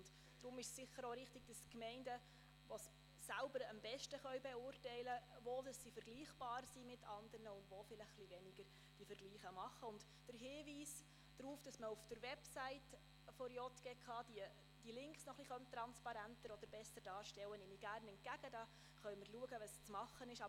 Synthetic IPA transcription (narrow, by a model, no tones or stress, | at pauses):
ʊnt | d̥ɾʊmɪʃsːɪχːəɾoɾɪχtɪɡ̥̚d̥əskmɛɪndə | ʋɔsː | ælbəɾəmbɛʃtəχœɥbɛʊrtɛɪləʋodəsːifəɾɡ̥liːχb̥ɑːɾsimɪtʰːɑnd̪əɾnəʊndʋofɪləχːliʋɛnɪɡ̥əɾ | d̥ifəɾɡliːχəmɑχːəʊnt | d̥əɾɦɪːʋiːs | d̥ɾuːfd̥ɑsməufd̥əɾʋɛpsæɪt | fɔɾjɔt̪ɡ̥ɛkʰχɑːd̥iə | d̥ilɪŋksnɔχliχœmt̪ːɾɑnspɑɾæntəɾɔd̥̪əɾb̥ɛsːəɾd̥ɑːɾʃtɛwːənɪniɡ̥æɾnɛntɡæɡ̥ədɑ | χœɥməɾluəɡəʋɑst͡smɑχːənɪʃɑ